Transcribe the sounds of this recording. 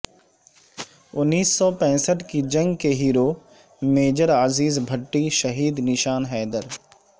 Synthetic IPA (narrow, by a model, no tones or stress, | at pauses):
ʊnːiːsːɔpɛ̃ːsəʈkid͡ʒɐ̃ŋɡkeɦiːɾoː | meːd͡ʒəɾaːziːzbʱɐʈːiʃɐɦiːd̪nɪʃaːnɦɛːd̪əɾ